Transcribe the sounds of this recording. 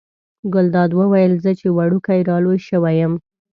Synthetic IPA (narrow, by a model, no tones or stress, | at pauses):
ɡʊld̪ɑd̪wəwajəlzət͡ʃewaɽukajɾɑlojʃəwajəm